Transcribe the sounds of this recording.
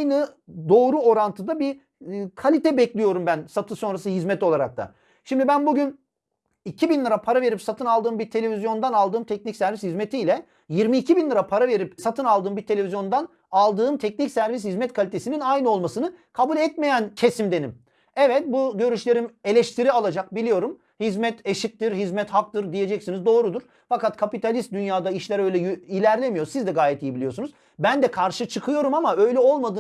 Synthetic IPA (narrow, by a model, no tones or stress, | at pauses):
jnɯ | d̪o̞ːɾuo̞ɾant̪ʰɯd̪abi | kʰalʲit̪ʰɛbɛclʲijo̞ɾumbænsat̪ʰɯso̞nɾasɯɦizmɛt̪o̞lˠaɾa̰k̚t̪ʰa̰ | ʃimd̪ibænbuɟyn | icʰibinlʲˠɯɾapʰaɾave̞ɾipsat̪ʰɯnalˠd̪ɯːmbiɾt̪ʰe̞lʲe̞vʲizjo̞nd̪analˠd̪ɯːmt̪ʰɛc̚nicsæɾvishizme̞t̪ʰiːlʲɛ | jiɾmiːcʰibinlʲˠɯɾapʰaɾave̞ɾipsat̪ʰɯnalˠd̪ɯːmbiɾt̪ʰee̞vizjo̞nd̪an | alˠd̪ɯːmt̪ʰɛc̚nicsæɾvis̬hizmɛt̪̚kʰalʲit̪ʰe̞sininajnɯo̞lˠmasɯnɯkʰabulʲɛt̪me̞jæncʰe̞simd̪e̞nim | ɛvɛt̪̚buɟø̞ɾyʃlʲe̞ɾime̞lʲɛʃt̪ʰiɾialˠad͡ʒak̚bilʲijo̞ɾum | hizmɛt̪eʃit̪̚t̪ːiɾɦizmɛt̪hak̚t̪ɯɾd̪ije̞d͡ʒɛcsinizd̪o̞ːɾud̪uɾ̥ | fakat̪kʰapit̪ʰalʲist̪̚d̪ynjaːd̪aiʃlʲɛɾø̞jlʲɛjilʲæɾlʲemijoɾsizd̪ɛɡaːjɛt̪ijibilʲijo̞sunuz | bænd̪ɛkʰaɾʃɯt͡ʃʰɯkʰɯjo̞ɾumamaø̞jlʲɛo̞lˠmad̪ɯ